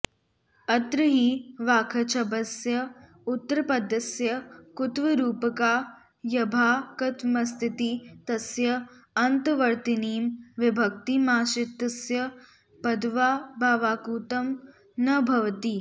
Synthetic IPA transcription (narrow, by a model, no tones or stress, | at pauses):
ɐt̪ɾɨɦiːʋaːkʰɐt͡ʃʰɐbɐsjɐ | ut̪ːɐɾɐpɐd̪ːɐsjɐkut̪ʋɐɾuːpɐkaː | jɐbʱaːkɐt̪mɐst̪ʰit̪it̪ɐsjɐ | ɐnt̪ɐʋɐɾt̪iniːmʋɪbʱɐk̚t̪imaːʃɪt̪ːɐsjɐ | pɐd̪ʋaːbʱaːʋaːkuːt̪ɐm | nɐbʱɐʋt̪i